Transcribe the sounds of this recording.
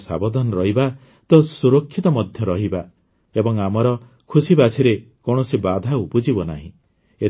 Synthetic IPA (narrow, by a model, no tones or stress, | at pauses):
sa̰bɔd̪ʱanɔɾɔɦiba | t̪ɔsuɾokʰːit̪ɔmɔd̪ʱjɔɾɔɦiba | ebɔŋamɔɾɔ | kʰusibasʰiɾe | koɳ̃ɔsibad̪ʱaupud͡ʒibɔna̰ɦḭ̃ | e